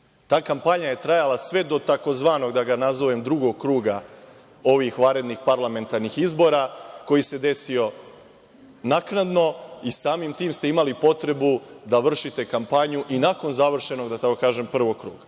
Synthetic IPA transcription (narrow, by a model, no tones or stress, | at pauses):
t̪aːkampaɲaje̞t̪ɾajalasʋe̞d̪o̞t̪ako̞zʋaːno̞ɡd̪aɡanazoʋemd̪ɾuɡo̞ɡkɾuːɡa | o̞ʋixʋaɾe̞d̪nixpaɾlˠame̞nt̪aɾnixizbo̞ɾako̞jise̞d̪e̞sio̞ | naknad̪no̞isaːmimt̪iːmst̪e̞imalipo̞t̪ɾe̞bud̪aʋr̩ʃit̪e̞kampaɲuʔinako̞nzaʋr̩ʃe̞no̞ɡd̪at̪akokaːʒe̞mpr̩ʋo̞ɡ̚kɾuːɡa